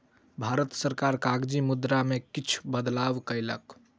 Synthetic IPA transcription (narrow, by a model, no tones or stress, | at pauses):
bʱaɾət̪səɾkaɾkaɡd͡ʒimud̪ɾamekit͡ʃʰbəd̪laʋkəjlə̰k